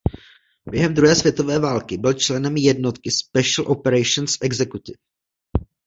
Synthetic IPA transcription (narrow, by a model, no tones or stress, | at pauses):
bjɛɦɛmd̪ɾuɦɛːsvjɛt̪o̞vɛːvaːlkɪbɪlt͡ʃlɛnɛmjɛdnot̪kɪspɛʃl̩ʔopɛɾɛjʃonsʔɛɡzɛkut̪ɪf